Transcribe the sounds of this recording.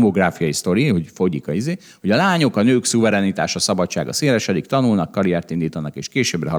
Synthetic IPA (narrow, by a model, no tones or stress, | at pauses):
moɡraːfijɒjist̪o̞ɾiho̞cfo̞ɟikɒizeː | ho̞ɟɒlaːɲo̞kɒnøːksuvɛɾɛnit̪a̰ːʃɒsɒbɒt͡ʃːaːɡɒ̰seːɾɛʃɛd̪ikt̪ɒnulnɒkːɒɾiɛrt̪ind̪iːt̪ɒnɒkeːʃkeːʃøːbrɛɦɒ